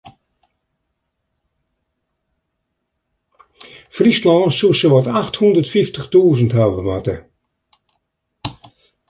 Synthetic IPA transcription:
frislɔnsusəʋɔtaxthundərtfiftəχtuːzənthavəʋatə

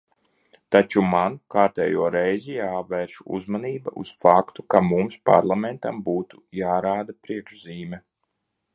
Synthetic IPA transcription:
t̪at͡ʃumankaːɾt̪ɛ̰ːjuɔɾɛjzijaːvɛɾʃuṵzmaniːbaʔṵsfakt̪ukamumspa̰ɾlˠament̪ambuːt̪u̥jaːɾaːd̪apɾiɛkʃziːmʲɛ

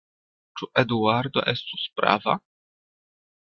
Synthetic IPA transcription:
t͡ʃuʔed̪uaɾd̪o̰ʔest̪u̥spɾa̰va̰

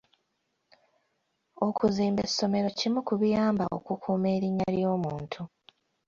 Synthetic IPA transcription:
o̞kuziːmbesːo̞me̞ɾo̞cimukuβijaːmbaʔo̰kukʰuːme̞ːɾiɲːa̰ljoːmuːntʰu

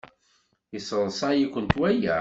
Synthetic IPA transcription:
əsəðˤsˤajikʷːənt̪wæjæ

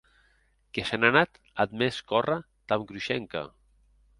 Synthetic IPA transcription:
kesenanat̪ | ad̪meskɔra | t̪amkɾuʃɛŋka̰

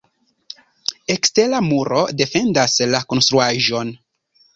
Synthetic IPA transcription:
e̞kste̞lamuɾo̞de̞fe̞ndaslako̞nst̪ɾuaʒo̞n

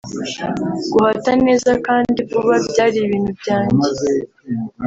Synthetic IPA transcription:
ɡ̥uhatane̞ːzakaːndikuβabɟaːɾiβiːnhubɟaːɲe

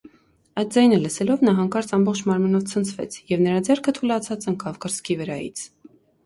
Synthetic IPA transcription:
ɑjt̪̚d͡zɑjnələsɛlɔvnɑɦɑŋkɑɾt͡sɑmbɔχt͡ʃʰmɑɾmənɔvt͡sʰənt͡sʰvɛ̰t͡sʰjɛvnəɾɑd͡zɛɾkʰət̪ʰulɑt͡sʰɑt͡səŋkɑvkəɾskʰivəɾɑjḭt͡sʰ

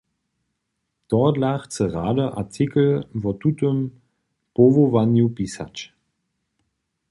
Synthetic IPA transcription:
d̥ɔdlaχt͡səʁaːdəʔat͡sʰɪkl̩vɔtutəm | povovanjupisa̰t͡ʃ

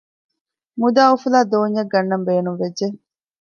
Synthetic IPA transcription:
mud̪aːufulaːd̪oːɲjɐɡɐnːɐmbeːnumʋedʒe

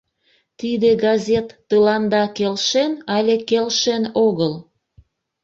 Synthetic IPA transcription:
t̪id̪eɡɑzʲet̪ːəlɑnd̪ɑkelʃenɑlʲekelʃenoɣəl

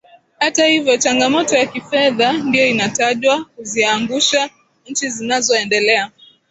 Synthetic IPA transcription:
hatahivjɔt͡ʃaŋɡamɔtɔjakifɛðandijɔinataʄwakuziaŋɡuʃa | ɲ̩t͡ʃizinazɔɛndɛlɛa

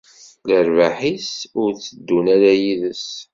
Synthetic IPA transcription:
ləɾvaħisʊɾt͡sːəd̪ːunæɾæjiðəs

